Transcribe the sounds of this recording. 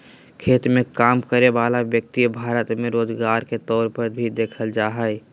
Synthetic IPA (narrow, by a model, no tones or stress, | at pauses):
kʰeːt̪mẽkaːmkəɾeʋaːlaʋjək̚t̪ibʱaːɾət̪mẽɾoːd͡ʒɡaːɾket̪ɔːɾpəɾbʱid̪eːkʰəld͡ʒaːɦəj